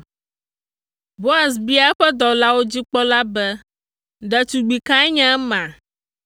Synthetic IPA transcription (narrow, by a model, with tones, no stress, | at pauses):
bo˦a˨s̬bi˦a˦ɛ˦ɸɛ˦d̪ɔ˨la˦wo˦d͡ʑi˦k͡pɔ˦la˦bɛ˦ | ɖɛ˨t͡ʃu˨ɡ͡bi˨kã˦ɛ˦ɲã˦mã˨